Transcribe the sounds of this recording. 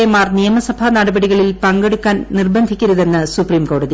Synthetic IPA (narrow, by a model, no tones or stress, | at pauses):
jɐmaːrnijɐmɐsɐbʱɐnɐɽɐbɐɽiɣɐɭilpɐŋɡeɽukːaːnnirbɐnd̪ʱikʲːuɾuðe̞nːɨsupriːmko̞ːɽɐði